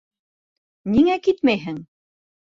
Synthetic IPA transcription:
niŋækit̪mæjɦɘŋ

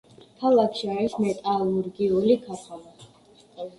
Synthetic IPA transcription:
kʰalˠakʰʃiaɾismɛt̪ʼalˠuɾɡiulikʰat̪ʰala

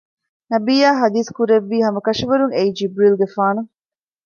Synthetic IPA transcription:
nɐbiːaːɦɐd̪iːskuɾeʋːiːɦɐmɐkɐʂiʋɐɾuŋeid͡ʒibɾilɡefaːnu

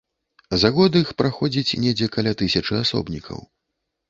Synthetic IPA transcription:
zaɣɔd̪ɨixpɾaxɔd͡zʲit͡sʲnʲɛd͡zʲɛkalʲat̪ɨsʲɐt͡ʂɨasɔ̰bnʲikʰɐ̰w

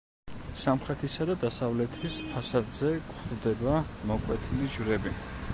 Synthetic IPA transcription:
samχɾɛt̪ʰisad̪ad̪asavlɛt̪ʰispʰasad̪zɛkʼχvd̪ɛbamɔkʼwɛt̪ʰilid͡ʒvɾɛbi

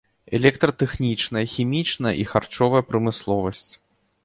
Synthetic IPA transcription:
ɛ̰lʲɛk̚t̪ɾɐt̪ɛxnʲit͡ʂnɐjɐxʲimʲit͡ʂnɐjɐ̰ʔixart͡ʂɔvɐjɐpɾɐmɨslˠɔvɐsʲt͡sʲ

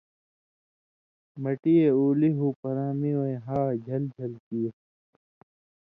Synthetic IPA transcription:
mɐʈieuːliɦuːpɐɾaːmiwoeɦaːd͡ʑʱɐld͡ʑʱɐlkiː

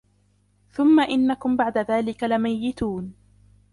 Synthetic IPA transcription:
θʊmːaʔɪnːakʊmbaʕd̪aðaːlɪkalɪmajːɪt̪uːn

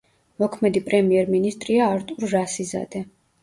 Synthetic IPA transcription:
mɔkʰmɛd̪ipʼɾɛmiɛɾminist̪ʼɾiaːɾt̪ʼuɾːasiza̰d̪ɛ

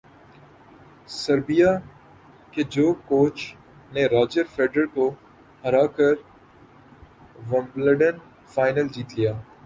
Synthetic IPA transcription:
səɾbijaː | ked͡ʒoːkoːt͡ʃ | neɾaːd͡ʒəɾfeːɖɾəɾko | həɾaːkəɾ | ʋɐ̃mbləɖən | faːɪnəld͡ʒiːt̪lijaː

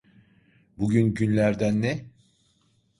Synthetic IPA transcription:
buɟynɟynlʲæɾd̪ænːɛ

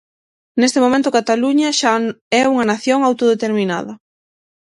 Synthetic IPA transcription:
nest̪emomẽnt̪ʊkat̪aluɲɐʃaɛuŋɐnaθjoŋawt̪oðet̪eɾmĩna̰ðɐ

